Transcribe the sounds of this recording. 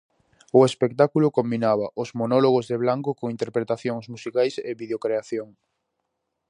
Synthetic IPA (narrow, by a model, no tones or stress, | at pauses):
ʊespek̚t̪akulʊkombinaβ̞aʔʊzmonɔloɣ̞ozðeβlaŋkokoŋint̪eɾpɾet̪aθjoŋzmusikajseβið̞eokɾeaθjoŋ